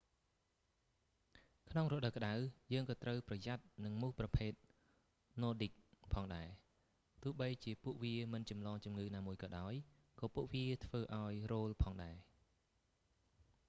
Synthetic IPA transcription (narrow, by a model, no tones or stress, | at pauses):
kʰnoŋrʊːɗəwkə̆ɗawjəːŋkɑːt̪rəwprɑjat̪̚nɨŋmuhprɑpʰeːt̪̚ | noːɗik̚pʰɑːŋɗaɛ | t̪ʊ̆əhɓəjt͡ɕiəpuəʔʋiəmɨnt͡ɕɑmlɑːŋt͡ɕumŋɨːnaːmuəjkɑːɗaɔj | kɑːpuəʔʋiət̪ʰʋəːʔaɔjroːlpʰɑːŋɗaɛ